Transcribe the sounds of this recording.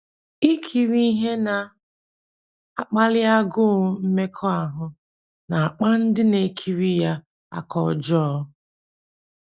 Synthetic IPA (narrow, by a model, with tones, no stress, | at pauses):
i˦kʰi˨ɾi˦i˦ɦe˦na˨ | a˨k͡pa˦lɪ˦a˦ɡʊ˦m̩˦me˦kʰɔ˦a˨ɦʊ˨ | na˨a˨k͡pa˦n̩˦dɪ˦ne˨kʰi˨ɾi˦ja˦ | a̰˨kɔ̰˨d͡ʒɔ˦